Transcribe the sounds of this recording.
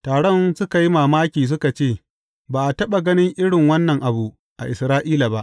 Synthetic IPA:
taː˨ɽɔ˦nsʊ˦ka˨ji˦maː˨maː˦kʲiː˨s̬ʊ˦ka˨t͡ʃeː˦˨ | baː˨ʔa˨tɐ˦ɓa˨ɡɐ˦nɪ˦ŋʔɪ˦ɽɪ˨ŋwɐ˦nːɐ˨ŋʔa˨bu˨ʔ | ʔa̰˨ʔɪ˨sɾaː˦ʔiː˦la˨ba˦ʔ

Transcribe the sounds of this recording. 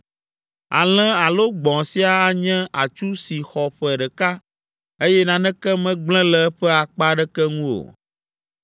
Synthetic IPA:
a̰˨l̃ɛ̃˦a˨lo˦ɡ͡bɔ̃˨si˦a˦a˦ɲɛ̃˦ʔa˨t͡ʃu˦si˨xɔ˨ɸɛ˨ɖɛ˨ka˦ | e˦jɛ˦nã˨nɛ̃˦kɛ˦mɛ̃˦ɡ͡blɛ̃˦lɛ˦ɸɛ˦a˨k͡pa˦ɖɛ˦kɛ˦ŋũ˦o̰˨

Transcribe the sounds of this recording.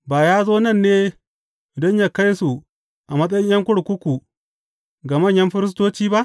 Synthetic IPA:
baː˨jaː˦zoː˦nɐ˦˨nːeː˦ | dɔ˦ɲjaː˦ka˦jsu˨ | ʔa˨mɐ˦sʼɐ˦jɪ˦ɲjɐ˦ŋkʷʊ˦ɽkʷʊ˦kʷu˨ | ɡa˨mɐ˦˨ɲjɐ˦mɸɪ˦ɾɪ˦s̬toː˦t͡ʃiː˦ba˦ʔ

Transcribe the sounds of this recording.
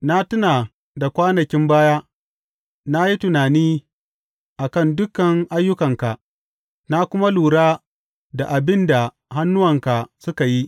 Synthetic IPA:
na˦tʊ˦naː˨ | da˨kʷaː˦nɐ˨kʲɪ˦mbaː˦jaː˦ | na˦ji˦tʊ˨naː˨niː˦ | ʔa˨kɐ˦˨ndʊ˦kːɐ˨ŋʔa˦jːʊ˦kɐ˨ŋka˨ʔ | na˦kʷʊ˦ma˦luː˨ɽaː˦ | da˨ʔa˨bɪ˦nda˨ | ɦa˦nːʊ˦wɐ˨ŋka˨sʊ˦ka˨ji˦

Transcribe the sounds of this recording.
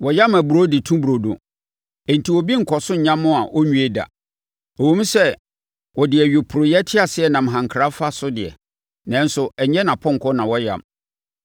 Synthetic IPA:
wɔ˨jã˦mæ˨bu˨ɾo˦dɪ˨tʰũ˦bɾo˨dõ̰˨ | ẽ˨n̩˨tʰi˨wɔ˨bi˦ŋ̩˨kʰɔ˨sʊ̃˦ɲ̩˨ɲã˦mːʊ̃˦a˨ʔɔ˦ɲũ˨˦e˦da̰˨ | o˨wõ˦m˦sɛ˦ | wɔ˨dɪ˨æ˨ɥe˨pʰʊ˨ɾʊ˨jɛ˦tʰɪ˦a˨sɪ˦ɛ˨nã˨m̩˨ɦã˨ŋ̩˨kʰɾa˦fa˦sʊ˦dɪ˨ɛ̰˨ | nã˦n˦sʊ˦ɛ˨ɲɛ̃˦nã˨pʰɔ̃˦ŋ̩˨kʰɔ˦nã˨wɔ˦jã̰˦˨m

